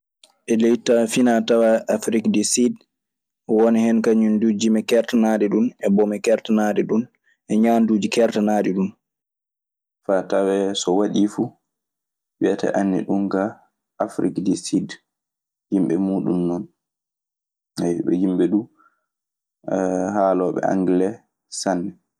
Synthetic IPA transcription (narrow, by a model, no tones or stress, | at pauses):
ʔɛlejtafinatawaafɾikdɛsid | wɔnihɛnkaɲundud͡ʒimɛkɛɾtanaɗiɗunɛbɔmɛkɛɾtanaɗɛɗun | ʔɛɲandud͡ʒikɛɾtanaɗiɗun | fatawɛsɔwaɗifu | ɓɛata̰ʔanːḭɗunɡa | ʔafɾikdɛsid | himɓɛmuːɗumnɔn | haɓɛ̰himɓɛɗu | haːlɔɓɛ̰a̰ŋɡlɛ | sanːɛ